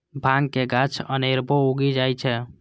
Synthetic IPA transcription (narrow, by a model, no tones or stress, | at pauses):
bʱãŋɡkeɡat͡ʃʰə̰neɾbʱɔuɡid͡ʒajt͡ʃʰɛ